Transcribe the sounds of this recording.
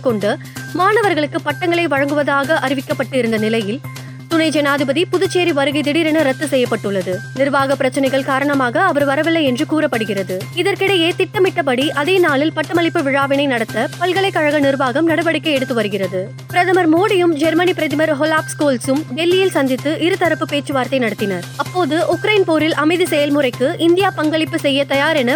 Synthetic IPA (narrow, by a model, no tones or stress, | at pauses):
kɔɳɖɯ | maːnɐʋɐɾɣɐɭɯkːɯpɐʈːɐŋɡɐɭɐɪʋɐɻɐŋɡɯʋɐðaːɣɐʔɐɾɪʋɪkːɐpːɐʈːɪɾɯnd̪ɐnɪlɐjɪl | t̪ʊnɐɪd͡ʒɛnaːðɪbɐðipʊðɯt͡ʃːeːɾiʋɐɾɯɣɪd̪ɪɽɪɾɐnɐɾɐt̪ːɯsɛjːɐpːɐʈːɯɭːɐðɯnɪɾʋaːɣɐpːɪɾɐt͡ʃːɪnɐɪɣɐɭkaːɾɐɳɐmaːɣɐːʋɐɾʋɐɾɐʋɪlːɐɛndrɯkuːɾɐpːɐɽɯɣɪrɐðɯɪðɐɾkɪɽɐjeːt̪ɪʈːɐmɪʈːɐpɐɽiʔɐðeːnaːɭɪlpɐʈːɐmɐlɪpːɯʋɪɻaːʋɪnɐɪnɐɽɐt̪ːɐpɐlɣɐɭɐɪkːɐɻɐɣɐnɪɾʋaːɣɐmnɐɽɐʋɐɽɪkːɐɪɛɽɯt̪ːɯʋɐɾɯɣɪrɐðɯ | pɪɾɐðɐmɐɾmoːɽɪjɯmd͡ʒɛɾmɐnipɪɾɐðɪmɐɾɦɔlaːpskoːlsɯmʋɛlːɪjɪlsɐnd̪ɪt̪ːɯʔɪɾɯt̪ɐɾɐpːɯpeːt͡ʃːɯʋaːɾt̪ɐɪnɐɽɐt̪ːɪnɐɾɐpːoːðɯʔʊkɾɐɪnpoːɾɪlʔɐmɐɪðisɛjɐlmʊɾɐɪkːɯʔɪnd̪ɪjaːpɐŋɡɐɭɪpːɯsɛjːɐt̪ɐjaːɾɛnɐ